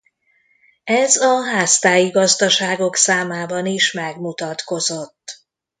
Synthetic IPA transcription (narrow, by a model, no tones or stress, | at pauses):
ɛzɒɦaːst̪aːjiɡɒzd̪ɒʃaːɡo̞ksaːmaːbɒniʃmɛɡmut̪ɒt̪ko̞zot̪ː